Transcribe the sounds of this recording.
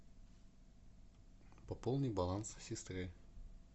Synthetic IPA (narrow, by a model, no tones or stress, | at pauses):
pɐpolˠnɨjbɐlˠanssʲɪst̪ɾɨ